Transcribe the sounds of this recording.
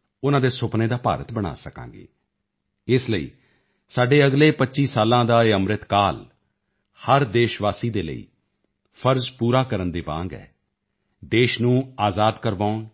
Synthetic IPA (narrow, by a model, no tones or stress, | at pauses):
ʊnãːd̪eːsʊpneːd̪aːpa̰ːɾət̪bəɽ̃a̰ːsəkã̰ːŋɡḛː | ɪsləḭː | saːɖeːəɡleːpətːʃiːsaːlãːd̪aːeːəmɾɪt̪kaːl | həɾd̪eːʃʋaːsiːd̪eːlə̰ḭː | pʰəɾzpuːɾaːkəɾənd̪eːʋã̰ːŋɡɛ̰ː | d̪eːʃnũːaːzaːd̪kəɾʋaːʊn